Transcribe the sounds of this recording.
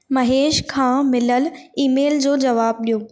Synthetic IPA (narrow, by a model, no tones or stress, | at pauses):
mɐɦeːʃkʰãːmɪləliːmeːld͡ʑoːd͡ʑɐʋaːb̚ɗijoː